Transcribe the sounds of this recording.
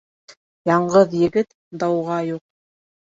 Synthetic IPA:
jɑɴɢɤðjɘ̆ɡɘt̪ | d̪ɑwʁɑjuq̚

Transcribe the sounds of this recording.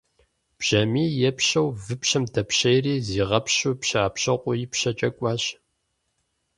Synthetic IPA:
b̥ʒ̥ɐmiːjɛpɕɐwvɨpɕɐmdʰɐpɕɐjriːziːʁɐpɕupɕaːpɕɐqʷʼʊjɪpɕɐt͡ʃʼɐkʷʼɑːɕ

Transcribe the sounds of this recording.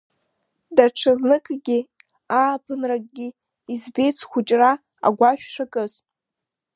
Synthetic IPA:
daʈ͡ʂʰɨznɨkʼɡʲi | aːpʰɨnrakʼɡʲi | izbe̞jt͡sʰχʷʊt͡ʃʼra | a̰ɡʷaʃᶣʂakʼɨzʼ

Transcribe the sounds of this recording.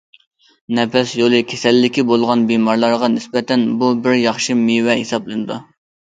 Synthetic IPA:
nɛpʰɛsjolˠɨkʲʰesɛlːɪkʲibolˠʁɑnbimɑɾlˠɑɾʁɑnɪsbɛt̪ɛnbubɪɾjɑχʃɨmiwɛhesɑblˠɨnɨd̪u

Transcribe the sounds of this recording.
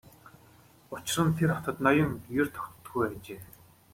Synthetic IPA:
ʊt͡ɕɪ̆rə̆nt̪ʰerɔt̪ə̆t̪nɔjə̆ŋjert̪ʰɔ̥k̪̆t̪ɡujpæːt͡ɕeː

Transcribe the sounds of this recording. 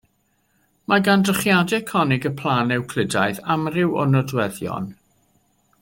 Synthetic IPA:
maɡandrəχjadɛkʰɔnɪɡəpʰlˠaːnɪwkʰl̥ˠɪdajθamrɪwɔ̰nɔdwɛðjɔ̰n

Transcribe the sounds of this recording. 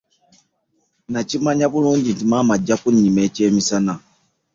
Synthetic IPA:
nat͡ʃimaɲaβuluːɲɟitimamad͡ʒːakuɲːimɛt͡ʃɛːmisana

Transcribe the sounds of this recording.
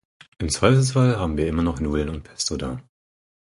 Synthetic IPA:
ʔɪmt͡sv̥aɪfl̩sfalɦaːbm̩viːɐʔɪmɐnɔχnuːl̩nʊnt̚pʰɛ̥stodaː

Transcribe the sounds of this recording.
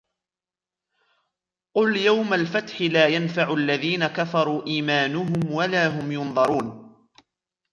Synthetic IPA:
qʊljawmalfat̪ħɪlaːjanfaʕʊalːaðiːnakafɑɾˤuːʔiːmaːnʊɦʊmwalaːɦʊmjʊnðˤɑɾˤuːn

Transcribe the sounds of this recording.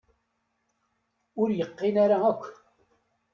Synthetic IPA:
ʊɾjəqːɪnaɾaækʷː

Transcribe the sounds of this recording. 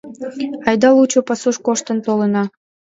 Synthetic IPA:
ɑjd̪ɑlut͡ɕopɑsuʃkoʃt̪ə̆nt̪olənɑ

